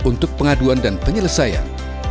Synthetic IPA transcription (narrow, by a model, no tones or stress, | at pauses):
unt̪ʊk̚pəŋaduandanpəɲələsaja̰n